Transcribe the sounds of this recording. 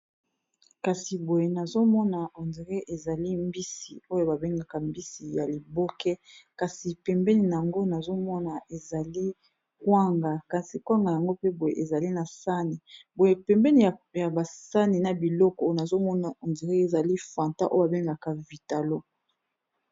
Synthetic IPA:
ka˨si˨bo˨je˨na˨zo˦mɔ˦na˨o˨nzi˨ʁe˦ʔe˨za˨li˦mbi˦si˨o˦jo˦˨ba˨be˦ŋɡa˨ka˨mbi˦si˨ja˨li˨bo˦kɛ˦ka˨si˨pɛ˨mbɛ˦ni˨na˨ja˨ŋɡo˦na˨zo˦mɔ˦na˨e˨za˨li˦ | kwa˦ŋɡa˨ka˨si˨kwa˦ŋɡa˨ja˨ŋɡo˦pe˦bo˨jḛ˨ʔe˨za˨li˦na˨sa˦ni˨bo˨je˨pɛ˨mbɛ˦ni˨a˨ja˨ba˨sa˦ni˨na˨bi˨lɔ˦kɔ˨o˦˨na˨zo˦mɔ˦na˨o˨nde˨ʁe˦e˨za˨li˦fã˨nta̰˦ʔo˦ba˨be˦ŋɡa˨ka˨vi˨ta˨lo˦

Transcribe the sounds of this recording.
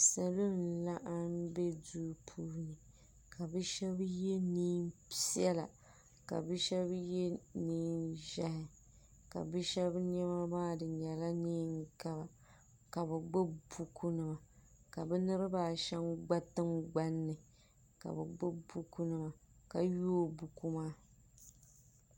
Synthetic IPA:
sa˨lo˦n̩˨la˦ʔa˦m˦be˦du˦pʰuː˦˨˦nɨ˨ | kʰa˨bɨ˦ʃɛ˦bje˦niː˦mpi˦ɛ˦la̰˨ | ka̰˨bɨ˦ʃɛ˦bje˦niː˦nʒɛ˦hɪ˨ | ka̰˨bɨ˦ʃɛ˦bɲɛ˦ma˦baː˦dɨ˨ɲɛ˨la˦niː˦ŋ˦ka˦ba˨ | ka˨bɨ˨ɡ͡bʊ˦bu˦kʰu˦nɨ˨ma˨ | ka˨bɨ˦nɨ˦ɾɨ˦baː˦˨ʃɛ˦nɡ͡ba˦tɨ˦ŋɡ͡ba˦nːɨ˨ | ka̰˨bɨ˨ɡ͡bɨ˦bu˦ku˦nɨ˨ma˨ | ka˨joː˦bu˨ku˦maː˦

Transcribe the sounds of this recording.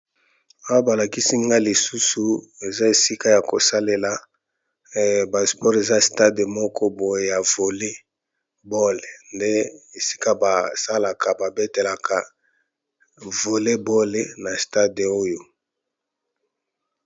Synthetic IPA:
a˦wa˦ba˨la˨ki˦si˦ŋɡa˦li˨su˦su˨e˨za˦e˨si˦ka˦ja˨ko˨sa˦le˨la˨ | ba˨spɔ˦ʁe˨za˦sta˦de˨mɔ˦kʰɔ˦bo˨je˨ja˨vo˨le˦ | bo˦le˨nde˦e˨si̥˦ka˦ba˨sa˦la˨ka˨ba˨be˦te˨la˨kʰa˨ | vo˨le˦bo˦le˦na˨sta˦de˨o˦jo˦

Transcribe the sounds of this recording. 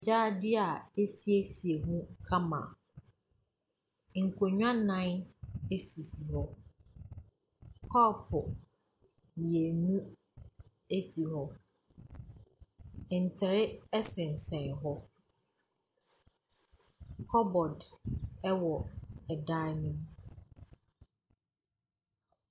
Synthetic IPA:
d͡ʑaː˦dɪ˦a˨e˦si˦e˦si˨e˨mũ˦kʰa˦mã̰˨ | ŋ̩˨kʷʰo˨ɲᶣã˦nã˦ne˦si˨si˨hɔ˦ | kʰɔː˦˨pʰʊ˨ | mi˨e˨nũ˦ | e˦si˨hɔ˦˨ | n̩˨tʰɪ˨ɾɪ˦ɛ˦sɪ̃˨n̩˨sɛ̃˨nɦɔ˦ | kʰɔ˦bɔ˨dɛ˦wɔ˨ɛ˨da˦nũ˦m

